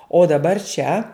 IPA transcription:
oː dɐˈbɐr t͡ʃʲɛ

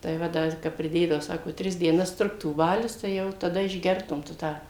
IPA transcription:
tɐɪ ˈʋɐ ˈdɐr ˈkɐp pʲrʲɪˈdʲeːdɐʋoː ˈsɑːkoː ˈtʲrʲɪs dʲiɛˈnɐs ˈtrʊktuː ˈbɑːlʲʊs tɐɪ ˈjɛʊ tɐˈdɐ ɪʒʲˈɡʲɛrtʊm tʊ ˈtɑː

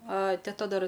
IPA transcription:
ɐ tʲɛˈtɐ ˈdɐr

